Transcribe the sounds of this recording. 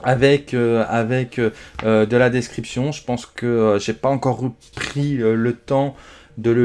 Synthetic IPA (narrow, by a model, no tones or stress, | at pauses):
avɛkøavɛkøød̪əlad̪eskχipsjɔ̃ʒəpɑ̃skəʒepaɑ̃kɔʁpχiølət̪ɑ̃ | d̪ələ